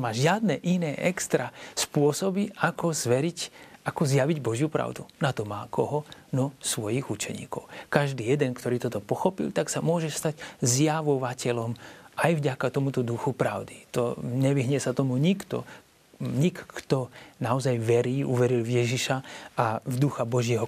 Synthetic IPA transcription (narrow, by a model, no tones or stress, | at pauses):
maːʒɪad̪̚nɛʔinɛːʔɛkst̪ɾaspʊɔsɔbiakɔzʋɛɾicakɔzjaʋiɟbɔʒjupɾa̰ʊd̪unat̪ɔmaːkʰɔɦɔnɔsʋɔjiɣut͡ʃɛ̰ɲḭːkɔ̰ʊkaʒd̪iːjɛd̪ɛnkt̪ɔɾiːt̪ɔt̪ɔpɔxɔpḭlt̪aksamʊɔʒɛst̪aɟzjaʋɔʋacɛlɔmʔajvɟakat̪ɔmut̪ɔd̪uxupɾaʊd̪it̪ɔɲɛʋiɦɲɛsat̪ɔmuɲikt̪ɔ̰ | ɲikt̪ɔnaɔzajʋɛɾiːʔuʋɛɾilvjɛʒiʃaʔavd̪uxabɔʒɪɛɦɔ